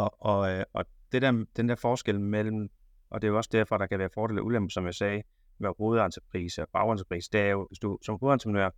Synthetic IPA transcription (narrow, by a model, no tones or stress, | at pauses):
ɒ̽ɒd̥e̝d̥æɐd̥end̥æɐfɒːsɡ̥el̰mel̰m̩ | ʔɒ̽d̥e̝jo̝ɒ̽sd̥æɐ̰fɒɾ̥ɑ̈kʰæʋæːɐfɒːd̥ɾḛl̩ˠæʔulemb̥ð̩ˠsɒ̽mjɑsɛː | ʋæʁo̝ːð̞̩ˠɑ̈nt͡sʰə̥pʰʁḭːsəb̥ɑ̈ʊɑnt͡sʰə̥pʰʁḭːsəd̥eæjoʋe̝sd̥usɒ̽mʁo̝ð̩ˠent͡sʰə̥pʰnøɐ̰